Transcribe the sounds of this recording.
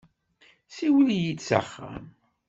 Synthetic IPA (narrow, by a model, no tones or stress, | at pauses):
siwəljit͡sa̰χːa̰m